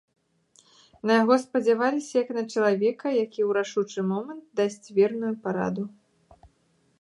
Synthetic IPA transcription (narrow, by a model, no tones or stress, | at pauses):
nɐjaɣɔspɐd͡zʲavalʲisʲɐjɐknɐt͡ʂɐlˠavʲɛkɐjakʲiwɾaʂut͡ʂɨmɔmɐnt̪̚d̪asʲt͡sʲvʲɛrnujupaɾa̰d̪u